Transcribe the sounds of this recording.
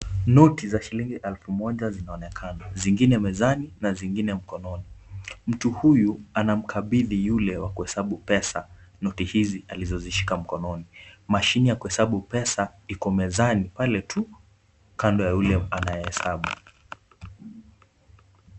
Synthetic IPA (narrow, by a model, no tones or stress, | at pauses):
nɔtizaʃiliŋɡiʔɛlfumɔʄazinaɔnɛkʰanaziŋɡinɛmɛzaninaziŋɡinɛm̩kɔnɔnim̩tuhujuanam̩kʰaɓiðijulɛwakuhɛsaɓupɛsanɔtihizializɔziʃi̥kam̩kɔnɔnimaʃinijakuhɛsaɓupɛsaikɔmɛzanipalɛtʰu | kandɔjajulɛanajɛhɛsaɓu